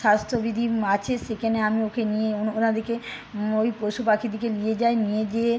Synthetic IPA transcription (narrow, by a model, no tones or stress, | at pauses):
ʃast̪ʰobid̪ʱiat͡ɕʰeʃekʰɛneamiokenijeoonad̪ʱikeojpɾoʃupakʰid̪ʱikelijed͡ʑaenijed͡ʑe